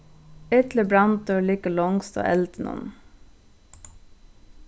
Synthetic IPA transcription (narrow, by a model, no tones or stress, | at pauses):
ʏt̪lɪbɾɑn̚d̪øːɭiːkəlɔŋst̪o̰ːʔɛlt̪ənʊ̰n